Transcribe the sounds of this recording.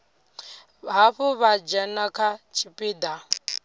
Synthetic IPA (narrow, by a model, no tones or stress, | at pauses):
ɦaɸuβad͡ʒɛnakʰat͡ʃʰipʼiːd̪a